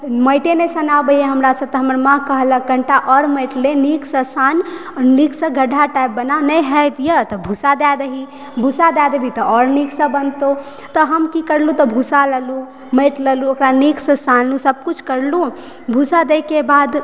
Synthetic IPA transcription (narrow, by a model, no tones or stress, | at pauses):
məjʈenesənabəjeɦəmɾasə̃t̪ɦəməɾmãkəɦləkəɳʈaʔɔɾməʈleniksə̃sanniksə̃ɡʱəɖʱaʈajp̚ːənanəjɦɛt̪jət̪ɔbʱusad̪ad̪əɦi | bʱusad̪ad̪əbʱit̪ɔʔɔɾniksə̃bənt̪o | t̪ɔɦəmkikəɾlũt̪ɔbʱusaləlu | meʈləluokɾaniksə̃sanlũsəb̚kut͡ʃʰkəɾlu | bʱusad̪ekebad̪